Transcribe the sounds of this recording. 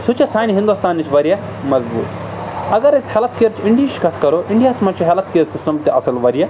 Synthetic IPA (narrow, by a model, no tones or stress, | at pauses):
sʊt͡ʃesaːjniɦind̪ust̪aːnːit͡ʃʰʋɐɾja | mɐzbṵːt̪ | ɐɡɐɾɪshɐlɐt̪̚kiɐɾt͡ʃɪ̃ɳɖiit͡ʃkɐt̪ʰkɐɾoʔɪɳɖijaːsmɐt͡ʃʰiɦɛlɐt̪̚kiɾsɪstɐmt̪eʔɐsɐlʋɐɾija